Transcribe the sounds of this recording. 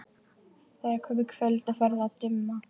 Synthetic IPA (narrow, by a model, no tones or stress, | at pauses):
θakhœvʏkʰfœlt̪afɛɾðat̪ʏmːa